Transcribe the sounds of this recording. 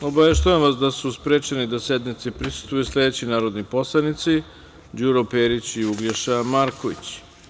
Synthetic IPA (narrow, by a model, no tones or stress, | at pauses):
obaʋeʃ̬t̪oanʋasd̪asuspɾeːt͡ʃenid̪ased̪nit̪sipɾisu̥st̪vujusle̞d̪et͡ɕinaːɾod̪niposlˠanit̪si | d͡ʑuɾopeːɾit͡ɕiuɡleʃamaɾkoʋḭt͡ɕ